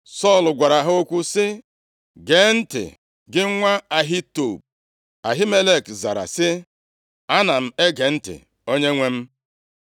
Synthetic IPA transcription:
sɔ˦˨lɡʷa˨ɾa˨ɦo˦kʷu˦sɪ˦ | ɡe˨˦n̩˦tɪ̰˨ | ɡɪ˦ŋʷa˦a˨ɦɪ˦to˦˨b̚ | a˨ɦɪ˦me˦le˦˨kza˨ɾa̰˨sɪ˦ | a˦na˨m̩˦e˦ɡe˨n̩˦tɪ̰˨ | o˦ɲe˦ŋʷe˦m̩˦

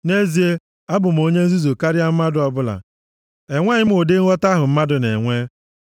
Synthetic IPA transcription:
ne˦zi˨e˦ | a˦bʊ˨m̩˨o˦ɲe˦n̩˦zi˦zo˨ka˦ɾɪ˦a˦m̩˦ma˦dʊ˨ɔ˦bʊ˦la̰˨ | e˨ŋʷe˦ɲɪ˦m̩˦o˨de˦ŋ̩ʷ˦ɔ˦ta˦ɦʊ˨m̩˦ma˦dʊ˨nḛ˨ŋʷe˦

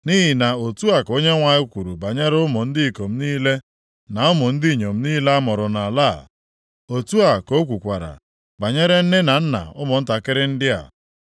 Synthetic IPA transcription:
ni˦ɦi˨na˨o˨tu˦a˨ko˦ɲe˦ŋʷa˨ɲɪ˦kʷu˨ɾu˨ba˨ɲe˦ɾʊ˦mʊ˨n̩˦dɪ˦i˨ko˨m̩˦niː˦le˦ | na˨ʊ˦mʊ˨n̩˦dɪ˦˨ɲo˨m̩˦niː˦le˦a˦mʊ˨ɾʊ˨na˨la˦˨ | o˨tu˦a˨ko˦kʷu˨kʷa˨ɾa̰˨ | ɡ͡ba˨ɲe˦ɾe˦n̩˦nɪ˦na˨n̩˦na̰˨ʊ˦mʊ˨n̩˦ta˨kɪ˦ɾɪ˦n̩˦dɪ˦a̰˨

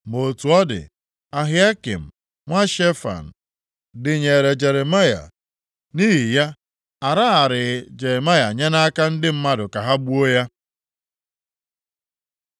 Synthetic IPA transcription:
mo˨tu˨ɔ˦dɪ̰˨ | a˨ɦɪ˦a˦kḭ˨m̩˨ | ŋʷa˦ʃe˦fa̰˨n̩˨ | dɪ˨ɲe˨ɾe˨d͡ʒe˨ɾe˨ma˦ja̰˨ | ni˦ɦi˨ja˦ | a˨ɾa˦a˨ɾɪ˨d͡ʒe˨ɾe˨ma˦ja˨ɲe˦na˦ka˦n̩˦dɪ˦m̩˦ma˦dʊ˨ka˨ɦa˦bu˦o˦ja˦

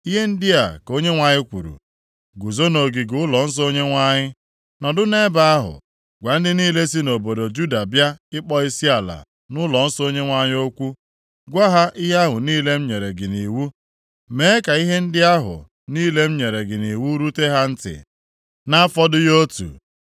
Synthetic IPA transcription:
i˦ɦe˦n̩˦dɪ˦a˨ko˦ɲe˦ŋʷa˨ɲɪ˦kʷu˨ɾṵ˨ | ɡu˨zo˦no˨ɡi˨ɡʊ˦lɔ˨n̩˦s̬o˦ɲe˦ŋʷa˦˨ɲɪ˦ | nɔ˨dʊ˦ne˦ba˦a˦ɦʊ̰˨ | ɡʷa˨n̩˦dɪ˦niː˦le˦si˦no˨bo˨do˨d͡ʒu˦da˨bja˦ɪ˦k͡pɔ˦i˦si˦a˨la̰˨ | nʊ˦lɔ˨n̩˦so˦ɲe˦ŋʷa˦ɲɪ˦o˦kʷu˦ | ɡʷa˦ɦa˦ʔi˦ɦa˦ɦʊ˨niː˦le˦m̩˦ɲe˨ɾe˨ɡɪ˨ni˨wu˦ | me˨˦e˦ka˨i˦ɦe˦n̩˦dɪ˦a˦ɦʊ̰˨ | niː˦le˦m̩˦ɲe˨ɾe˨ɡɪ˨ni˨wu˦ɾu˦te˦ɦa˦n̩˦tɪ̰˨ | na˦fɔ˦dʊ˦jo˦tṵ˨

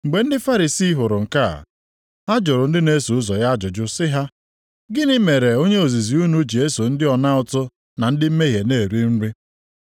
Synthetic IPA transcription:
ŋ͡m̩˨ɡ͡be˨n̩˦dɪ˦fa˦ɾi˨si˦ɦʊ˨ɾʊ˨ŋ̩˨ka˦a̰˨ | ɦa˦d͡ʒʊ˨ɾʊ˨n̩˦dɪ˦ne˦su˨ʊ˦zɔ˨ja˦d͡ʒʊ˨d͡ʒʊ˦sɪ˦ɦa˦ | ɡɪ˦nɪ˦me˨ɾe˨o˦ɲe˦o˨zi˨zi˨u˦nu˦d͡ʒi˨e˦so˨n̩˦dɪ˦ɔ˨na˦ʊ˨tʊ˦ | na˨n̩˦dɪ˦m̩˦me˦ɦje˨ne˦˨ɾi˦n̩˦ɾɪ˦

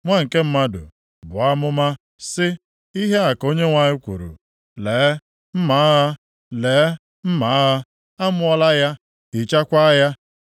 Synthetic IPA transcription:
ŋʷa˦˨ŋ̩˨ke˦m̩˦ma˦dʊ̰˨ | bʊ˨a˦mʊ˦ma˦ | sɪ˦ | i˦ɦe˦a˨ko˦ɲe˦ŋʷa˨ɲɪ˦kʷṵ˨ɾṵ˨ | leː˨˦ | m̩˦ma˨˦ɦa˦ | le˨˦ | m̩˦ma˨˦ɦa˦ | a˦mʊ˦ɔ˦la˦ja˦ | i˨t͡ʃa˦kʷa˦ja˦

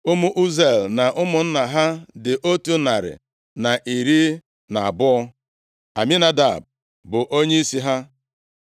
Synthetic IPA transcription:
ʊ˦mu˦ʔu˦ze˦˨lna˨ʔʊ˦mʊ˨n̩˦na˨ɦa˦dɪ˨ʔo˦tu˦na˨ɾɪ̰˨ | na˨ʔi˨ɾi˦ | na˨a˨bʊ˦ɔ˦ | a̰˨mi˦na˦da˨b̚ | bʊ˨ʔo˦ɲe˦i˦si˦ɦa˦

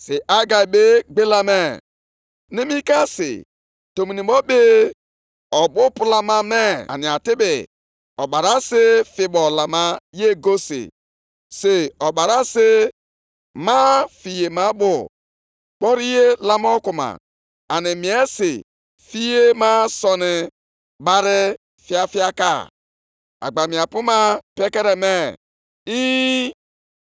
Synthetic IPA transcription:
si˨ʔa˦ɡa˨i˨be˦ɡ͡be˦la˦me˦ | ni˦mi˦ka˦sɪ̰˨ | to˨mi˨ni˨bɔ˦be˦ | ɔ˨bʊ˦pu˦la˦ma˦me˦a̰˨ni˨a˨tɪ˦bɪ˨ | ɔ˨ɓa˨ɾa˦sɪ˦fi˨bɔ˨la˨ma˦je˦ɡo˦sḭ˨ | se˨ɔ˨ba˨ɾa˦se˦ | ma˦fi˨je˨ma˦bʊ˨ | k͡pɔ˦ɾi˦je˦la˦mɔ˦ku˨ma̰˨ | a˨nɪ˨mi˨e˦si˨ | fi˦je˦ma˦sɔ˨nɪ˨ | ba˦ɾɪ˦ | fi˦a˦fi˦a˦ka̰˦˨ | a̰˨ɡ͡ba˨mi˨a˨pu˦ma˦pe˦ke˦ɾe˨me˦ | i˦

